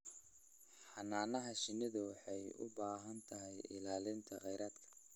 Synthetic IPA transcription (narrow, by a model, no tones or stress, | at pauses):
ħɑnaːnɐɦɐʃɪnɪðʊwɑħɑjʊ̰baːɦɐnt̪ʰɐɦɛjɪ̰laːlɪnt̪ʰɐqɛjɾaːd̪kʰɐ̥